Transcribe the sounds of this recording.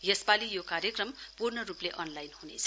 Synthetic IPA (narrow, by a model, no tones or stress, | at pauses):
jespalijokaɾjʌkrʌmpurnʌrupleʔʌnlajnɦunet͡sʰʌ̥